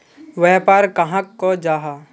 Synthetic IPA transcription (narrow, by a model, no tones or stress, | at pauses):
ʋɛːpaːɾkɐɦãkːod͡ʒaːɦaː